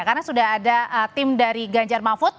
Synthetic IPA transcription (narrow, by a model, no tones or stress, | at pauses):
karnasudaɦadaət̪ɪmdaɾiɡaɲd͡ʒarmafʊt̪̚